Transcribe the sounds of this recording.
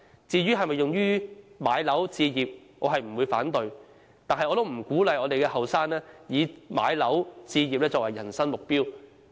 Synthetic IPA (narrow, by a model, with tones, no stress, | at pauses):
t͡siː˨˧ɥyː˥ɦɐ˨jmɐ˨jːʊ˨ŋjyː˥maː˨˧jlɐ˨˥wt͡siː˧jiː˨p̚ | ŋɔː˨˧ɦɐ˨jm̩˨˩wu˨˧jfaː˨˥nt̪ɵ˨ɥ | t̪aː˨nɦɐ˨jʔɔː˧t̪o˥wm̩˨˩kuː˨˥lɐ˨jʔɔː˨˧t̪e˨jkɛː˧ɦɐ˨wsaː˥nlɛː˥jiː˨˧ma̰ː˨˧jlɐ˨˥wt͡siː˧jiː˨p̚lɛː˥t͡sɔː˨k̚wɐ˨jːɐ̰˨˩nsɐ˥ŋmʊ˨k̚piː˥w